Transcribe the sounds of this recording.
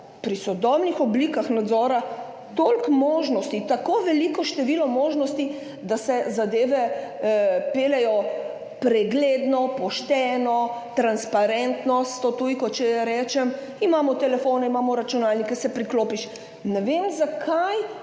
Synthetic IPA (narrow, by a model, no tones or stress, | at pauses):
pɾisɔd̪ɔbnixɔbliːkaxnad̪zɔːɾa | t̪olkmoːʒnɔst̪it̪akoːʋɛlikɔʃt̪ɛʋiːlɔmoːʒnɔst̪i | d̪asɛzad̪eːʋɛ | peːlɛjɔ | pɾɛɡleːd̪nɔpɔʃt̪ɛːnɔt̪ɾanspaɾɛnt̪nɔst̪ot̪ujkɔt͡ʃɛjɛɾɛːt͡ʃɛm | imaːmɔt̪ɛlɛfoːnɛimaːmɔɾat͡ʃunaːlnikɛsɛpɾikloːpiʃ | nɛʋemzakʰaj